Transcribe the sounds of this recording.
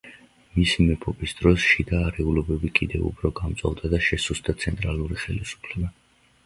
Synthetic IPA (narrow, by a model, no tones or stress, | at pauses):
misimɛpʰʼɔbisd̪̥ɾɔsʃid̪aːɾɛulɔbɛbikʼid̪ɛvṵpʰɾɔɡamt̪sʼa̰vd̪ad̪aʃɛsusd̪at̪sʰɛnt̪ʼɾalˠuɾiχɛlisu̥pʰlɛba